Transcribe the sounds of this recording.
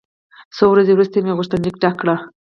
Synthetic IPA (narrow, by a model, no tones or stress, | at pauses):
sowɾazewɾust̪emeɣʊʃt̪and͡ʒik̚ʈakɽa